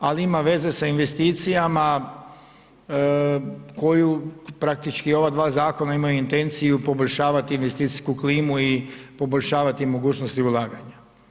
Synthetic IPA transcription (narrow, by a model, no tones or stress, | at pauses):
aliimaʋe̞ze̞sainʋe̞st̪iːt̪sijama | ko̞jupɾak̚t̪it͡ʃkio̞ʋad̪ʋaːzaːko̞naimajuint̪e̞nt̪sijupo̞boʎʲʃaːʋat̪iːnʋe̞st̪iːt̪i̥skukliːmuipo̞boʎʲʃaːʋat̪imo̞ɡuːt͡ʃnost̪iulˠaːɡaɲa